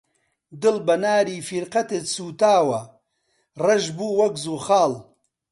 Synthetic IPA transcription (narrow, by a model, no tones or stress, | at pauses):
d̪ɨlbɐnaːɾiːfiɾqɐt̪et̪suːt̪aːwɐ | rɐʒbuːwɐɡzuːxaːl